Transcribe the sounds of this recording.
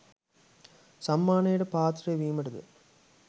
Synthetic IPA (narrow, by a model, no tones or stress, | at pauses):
sɐmːaːneːɽɯpaːt̪ɾɐʋiːmɐɽɯðɯ̰